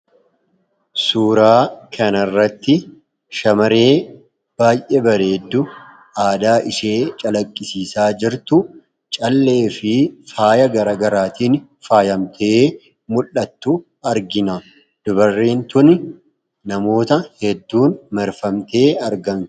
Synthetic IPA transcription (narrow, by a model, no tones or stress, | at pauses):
suːɾaːkʰɐnɐrːɐt̪ːɪ | ʃɐmɐɾeː | b̥aːjʔɛbɐɾeːd̪ːʊ | ʔaːd̪aːʔɪʃeːt͡ʃʼɐlɐkʼːɪsiːsaːd͡ʒɪɾt̪ʊ | t͡ʃʼɐlːe̞ːfɪfaːjɐɡɐɾaɡɐɾaːt̪iːn | faːjɐmt̪ʰeː | mʊlːɐt̪ːʊ | ɐɾɡɪnɐ | d̪̥ʊbɐrːeːnt̪ʊnɪ | nɐmo̞ːt̪ɐhɛd̪ːuːnmɐɾfɐmt̪e̞ːɐɾɡɐn